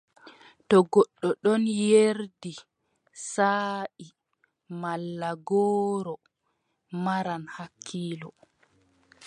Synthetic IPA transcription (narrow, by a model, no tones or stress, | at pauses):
tɔɡɔɗːɔɗɔnjeɾdi | saːʔi | malːaɡɔːɾɔ | maɾanhakʰːiːlɔ